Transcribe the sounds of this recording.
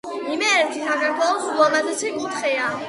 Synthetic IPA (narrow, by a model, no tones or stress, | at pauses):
imɛːɾt̪ʰisakʰaɾk̪ʰwɛlˠɔsɡɔmad̪ɛsʰikʼut̪χɛa